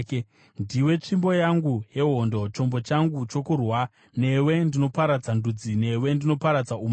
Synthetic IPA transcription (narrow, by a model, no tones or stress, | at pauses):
ndiwe̞t͡ʂimbo̞jaŋɡuje̞ɦo̞ndo̞t͡ʃo̞mbo̞t͡ʃaŋɡut͡ʃo̞kurwa | ne̞we̞ndino̞paɾad͡zandud͡zine̞we̞ndino̞paɾad͡zaum